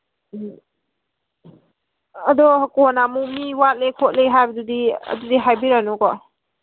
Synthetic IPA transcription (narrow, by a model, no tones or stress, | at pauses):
ɐdɔkɔnamumiwat̚lekʰɔt̚lejɦajbadudiə̰dudiɦajbiɾanukɔ